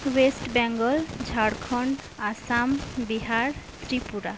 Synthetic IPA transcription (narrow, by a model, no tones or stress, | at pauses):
wesʈbɛŋɡɔld͡ʒʱaɽkʰɔn | asambiɦaɹt̪ɾipuɾa